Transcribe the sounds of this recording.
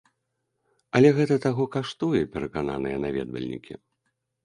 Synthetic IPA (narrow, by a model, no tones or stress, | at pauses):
ɐlʲɛɣɛt̪ɐt̪aɣɔkaʂt̪ujɛpʲɛɾɐkana̰nɨjɐnavʲɛ̰d̪vɐ̰lʲnʲḭkʲḭ